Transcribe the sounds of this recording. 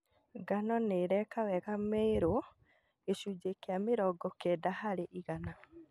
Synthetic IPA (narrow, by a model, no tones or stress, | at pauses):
ɡanɔneɾɛkawɛɣameɾo | eʃud͡ʒekeameɾɔɡɔkɛdahaɾeʔiɣana